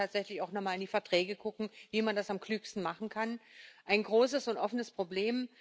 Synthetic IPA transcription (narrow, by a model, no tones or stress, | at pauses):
aːtz̥ɛçlɪçaʊxnɔχmaːlɪndiːfɛɐtʁ̥ɛːɡəɡʊkŋ̩viːmandasamklyːkstn̩maχn̩kʰanʔaɪnɡʁoːsəsʊntʔɔfənəspʁ̥obleːm